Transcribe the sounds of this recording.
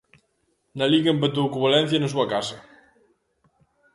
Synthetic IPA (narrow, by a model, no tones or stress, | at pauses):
naliɣɐempet̪̬owkuβalɛn̟θjɐnɐs̬uɐkasɐ